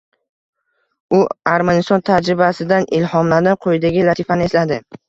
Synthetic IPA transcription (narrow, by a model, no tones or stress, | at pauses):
ʊaɾmanɪst̪ɒnt̪ʰad͡ʒɾɪbasɪd̪anʔɪlhɒmlad̪anqʰojɪd̪aɡʲɪlat̪ʰifanɪe̞slad̪ɪ